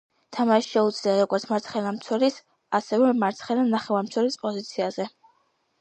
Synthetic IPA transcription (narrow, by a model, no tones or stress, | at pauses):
t̪ʰamaʃi̥ʃɛud̪zliaɾɔɡɔɾt̪sʰmaɾt̪sʰχɛlamt̪sʰwɔɾis | asɛvɛmaɾt̪sʰχɛlanaχɛwaɾmt̪sʰɛɾispʼɔzit̪sʰiazɛ